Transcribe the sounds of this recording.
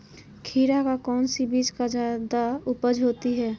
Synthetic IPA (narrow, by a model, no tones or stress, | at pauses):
kʰiːɾakakɔːnsibiːd͡ʒkad͡ʒad̪aʊpəd͡ʒɦoːt̪iɦɛː